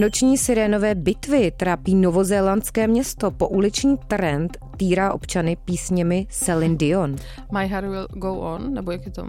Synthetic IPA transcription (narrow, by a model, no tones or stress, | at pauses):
not͡ʃɲiːsɪɾɛːno̞vɛːbɪt̪vɪt̪ɾaːpiːnovozɛːlant̪t͡skɛːmɲɛst̪o̞po̞ʔulɪt͡ʃɲiːt̪ɾɛnt̪ːiːɾaːʔo̞pt͡ʃanɪpiːsɲɛmɪsɛlɪndɪon | majɦaɾwɪlɡowʔonːɛbojakjɛt̪o̰